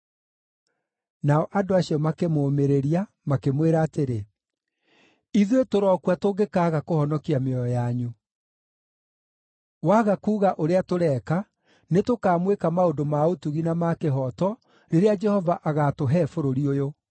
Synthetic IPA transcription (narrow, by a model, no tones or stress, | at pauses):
naɔʔadoaɕiɔmakemoːmeɾeɾia | makemweɾaːteɾe | iðwetoɾɔkwatoɡekaɣakohɔnɔkiameɔɔjaɲu | waːɣakuːɣaʔoɾeatoɾɛːka | netokaːmwekamaodomaotuɣinamakeɦɔtɔ | ɾeɾead͡ʒɛhɔvaʔaɣatoɦɛfoɾoɾiojo